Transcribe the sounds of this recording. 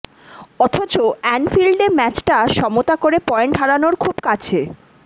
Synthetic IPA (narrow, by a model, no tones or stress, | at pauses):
ɔt̪ʰot͡ɕoɛnfilɖeɾmɛt͡ɕʈaʃɔmot̪akoɾepɔeɳʈaɽanoɾkʰubkat͡ɕʰe